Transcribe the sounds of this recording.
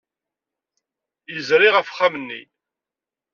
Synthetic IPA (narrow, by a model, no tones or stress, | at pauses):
jəzɾiʁəfχamənːḭ